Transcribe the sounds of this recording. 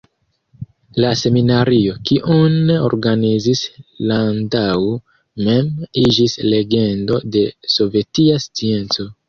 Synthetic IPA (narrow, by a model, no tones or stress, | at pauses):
lase̞minaɾio̞kiʔuneo̞̰ɾɡanizislandaw | me̞mid͡ʒisle̞ɡe̞ndo̞de̞so̞ve̞tiast͡sie̞nt͡so̞